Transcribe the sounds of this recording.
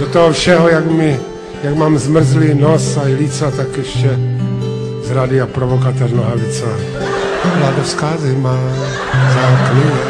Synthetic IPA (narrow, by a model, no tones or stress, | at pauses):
dot̪oɦofʃɛɦojakmɪ | jakmaːmzmr̩zlɪnosajlit͡sat̪akjɛʃcɛ | zɾadɪapɾovokat̪ɛɾnoɦalɪt͡sa | vlaːdofskaːzɪma | zaklɪɲɛ